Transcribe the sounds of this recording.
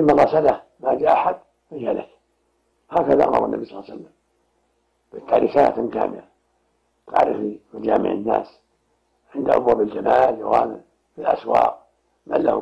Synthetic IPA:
mːalˤːɑsalahmad͡ʒaʔaħad̪̚ | hɪjalak | haːkaðaʔɑmɑ̰ɾˤɑnːabijsˤlːsalːam | b̥ɪt̪ːaʕɾiːkaːt̪mka̰ːmɪla | t̪a̰ʕɾɪfimad͡ʒaːmɪ̰ʕɪ̰nːa̰ːs | ʕɪnd̪ʔa̰bwabɪld͡ʒamaːljawaːmɪn | filʔaswa̰ːq̚ | ma̰lːah

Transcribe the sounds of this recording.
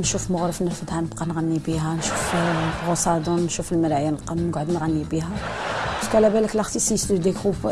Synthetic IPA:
nʃufmʊɣɾəfnəɾfəd̪hænəbqɑnɣænːibiɦænʃufɣosɑd̪unnʃufəlmælʕjænəlqɑmnəɡʕəd̪nɣænːibiɦæʃkælæbæləklæxt̪isisd̪əd̪eɡʁub

